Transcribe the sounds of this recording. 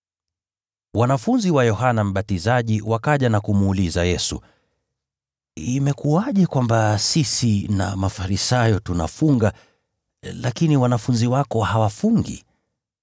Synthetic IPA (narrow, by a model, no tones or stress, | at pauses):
wanafunziwajɔɦanam̩ɓatizaʄiwakaʄanakumuːlizajɛsṵ | imɛkuaʄɛkwambasisina̰mafaɾisajɔtuna̰fuŋɡa | lakiniwanafunziwakɔhawafuŋɡḭ